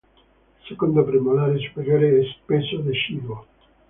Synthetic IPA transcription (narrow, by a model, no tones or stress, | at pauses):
sekond̪opɾimolaɾesu̥peɾjoɾeɛspesoðeʃiβo